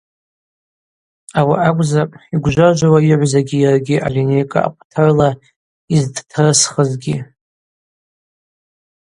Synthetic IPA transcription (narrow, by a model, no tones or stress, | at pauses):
awaʔakʷʼzapʼiɡʷʒʷaʒʷawaiʕʷzaɡʲijarɡʲiʔa̰line̞jkʼa̰a̰qʷʼtʰɨrla | izdtʰɨrsχəzɡʲi